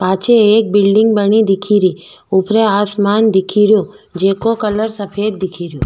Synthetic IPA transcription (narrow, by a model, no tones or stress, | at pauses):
paːt͡ʃʰeːk̚bɪlɖɪŋɡbənid̪ɪkʰiɾi | upɾeaːsmand̪ɪkʰiɾju | d͡ʒekokələɾsəpʰeːd̪̚d̪ɪkʰiɾjũ